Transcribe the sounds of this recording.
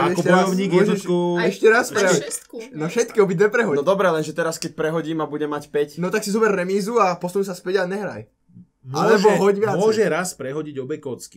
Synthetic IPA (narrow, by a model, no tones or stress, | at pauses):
aɛɔɛbɔjɔʊɲiːɔʒɛʃkuɛʃcɛɾaspɾɛɦɔnɔfʃɛt̪kiɔbid̪ʋɛpɾɛɦɔnɔd̪ɔbɾɛlɛnʒɛt̪ɛɾaskɛc̚pɾɛɦɔɟiːmabuɟɛmacpɛcnɔt̪aksizɔbɛrːɛmiːzuapɔsnus̬aspɛɟaɲɛɦɾa̰j | malɛbɔɦɔɟʋɪamt͡sɔʒɛɾaspɾɛɦɔɟiɟɔbɛjkɔt͡ski̥